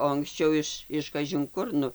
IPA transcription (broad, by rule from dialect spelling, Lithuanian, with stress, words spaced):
oː ɐŋksʲˈt͡ʃʲɛʊ ɪʃ ɪʃ kɐʒʲɪŋˈkʊr ˈnʊ